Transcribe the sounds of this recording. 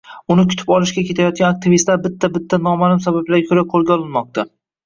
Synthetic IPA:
ʊnɪkʲʰʊt̪ʰɪ̥pɒlˠɪʃkʲakʲe̞t̪ʰajɒt̪̚ɡʲanak̚t̪ʰɪvist̪laɾbɪt̪ʰːabɪt̪ʰːanɒmanɪmsabablaɾʲkʰɵɾaqʰolˠɡʲaɒlˠɪnmɒq̚t̪ʰa

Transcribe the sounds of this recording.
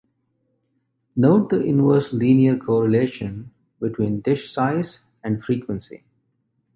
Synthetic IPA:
noʊʈ̚d̪əʔɪ̃nʋəɾslĩːniəɾkʰɔːɾəleːʃə̃n | bɪʈʰwĩːnɖɪʃsaɪz | æ̃ɳɖfɾiːkwə̃nsḭ

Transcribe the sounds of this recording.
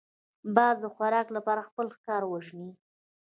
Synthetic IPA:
bɑzd̪əxwaɾɑklapɑɾaxpəlxkɑɾwəʒɳi

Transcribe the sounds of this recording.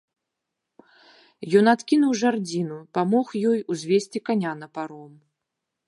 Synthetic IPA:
jɔnat̪kʲin̪uwʐard͡zʲinupamɔxjɔjuzʲvʲesʲt͡sʲikanʲanɐpaɾɔm

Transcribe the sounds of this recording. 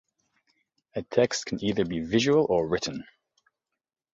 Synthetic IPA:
ɨtʰɛkstkʰə̃n̩iːðəbivɪʒəwəlˠʔəɹɪʔn̩

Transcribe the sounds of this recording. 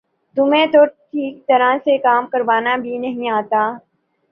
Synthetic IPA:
t̪ʊmẽt̪oːɾʈʰiːk̚t̪ɐɾãsekaːmkɐɾʋaːnabʱinɐɦĩaːt̪aː

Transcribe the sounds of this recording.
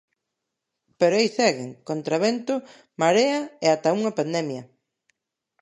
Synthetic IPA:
peɾoejsɛɣɪŋkont̪ɾaβent̪ʊ | maɾeɐeat̪auŋɐpand̪ɛmjɐ

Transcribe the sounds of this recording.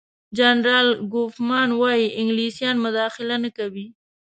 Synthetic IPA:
d͡ʒanɾɑlɡofmɑnwɑjiʔɪŋɡlisjɑnmʊd̪ɑxɪlanakawi

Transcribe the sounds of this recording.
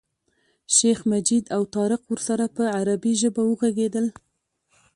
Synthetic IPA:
ʃexmad͡ʒid̪awt̪ɑɾɪqwəɾsaɾapəaɾabiʒəbawəɣaɡed̪əl

